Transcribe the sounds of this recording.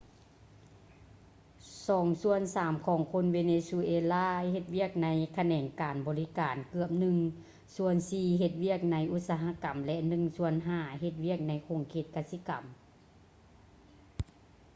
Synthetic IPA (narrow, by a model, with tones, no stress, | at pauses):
sɔː˨˦ŋsu˧ənsaː˨˦mkʰɔː˨˦ŋkʰo˧˥nweː˧neː˧su˧ʔeː˧laː˥˨he˧t̪̚wi˥˩ək̚na˧˥jkʰa˧nɛː˨˩ŋkaː˨˩nbɔː˨˩li˦˥kaː˨˩nkɯ˧˩əp̚nɯ˧ŋ | su˧˥ənsiː˧ɦe˧t̪̚wi˥˩ək̚na˧˥jʔu˧˥t̪̚saː˧ɦa˧˥ka˨˩mlɛ˧ʔnɯ˧˩ŋsu˧ənɦaː˧˩he˧t̪̚wi˥˩ək̚na˧˥jkʰo˨˩ŋkʰeː˧˩t̪̚ka˧si˧˦ka˨˩m